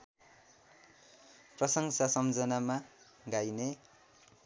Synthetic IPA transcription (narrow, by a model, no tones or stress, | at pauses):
prʌsʌŋsasʌmd͡zʌnama | ɡajne